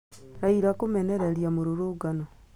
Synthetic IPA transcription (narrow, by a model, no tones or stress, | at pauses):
ɾaiɾakumeneɾeɾjamuɾuɾuɡano